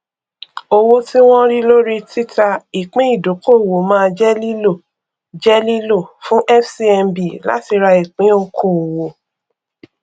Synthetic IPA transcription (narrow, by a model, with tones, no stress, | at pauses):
o˧wo˦ti˦w̃ɔ̃˦ɾi˦lo˦ɾi˦tʰi˦ta˧i˨k͡pĩ˨˦i˦˨do˨˦ko˦˨wo˨˦mãː˦˧d͡ʒɛ˦li˦lo˦˨ | d͡ʒɛ˦li˦lo˦˨fũ˦ʔɛ˦fsi˦ɛ˧mbi˨la̰˨˦ti˧ɾa˧i˨k͡pĩ˨˦˧kʰõ˨wo˨